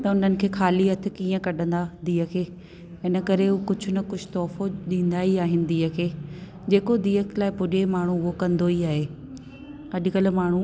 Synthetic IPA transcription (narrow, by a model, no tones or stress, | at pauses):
t̪ɐʊn̤ənɪ̆kʰeːxʰaːliɐt̪ʰɪ̆kiːə̃kɐɗə̃nd̪ad̪iːəkʰeː | ɪnəkɐɾeɦukʊd͡ʑʱʊ̆nɐkʊd͡ʑʱʊ̥t̪ɔːfoɗĩːn̆d̪aːiaːɦɪnɪ̆d̪iːəkʰeː | d͡ʑeːkod̪iːəklaːɪpʊːɗemaːɳ̤ũʊɦokɐ̃nd̪oiaːɦeː | ɐʄkəlmaːɳ̤u